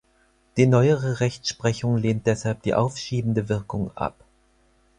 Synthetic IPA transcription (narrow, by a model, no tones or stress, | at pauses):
d̥iːnɔʏəʁəʁɛçt͡sʃpʁ̥ɛçʊŋleːnt̚d̥ɛshalp̚d̥ḭːʔaʊfʃiːbm̩dəvɪɐkʰʊŋʔa̰p